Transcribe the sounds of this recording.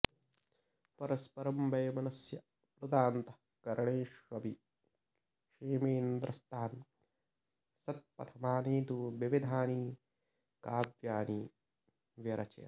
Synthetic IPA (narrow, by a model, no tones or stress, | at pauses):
pɐɾɐspɐɾɐmbʱɐjmɐnɐsjɐ | pɾud̪aːnt̪ɐ | kɐɾɐɳeːʂʋɐbi | ʂiːmeːnd̪ɾɐst̪ʰaːn | sɐt̪̚pɐ̰t̪ʰɐmaːniːt̪uʋiʋid̪ʱaːniː | kaːd̪jaːniː | ʋjɐɾɐt͡ʃɐ̰jɐ̰